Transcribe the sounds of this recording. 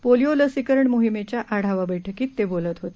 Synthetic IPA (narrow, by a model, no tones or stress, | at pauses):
polijoləsikəɾəɳmoɦimet͡ɕjaʔaɽ̤aʋabəjʈʰəkiːt̪ːebolət̪ɦot̪e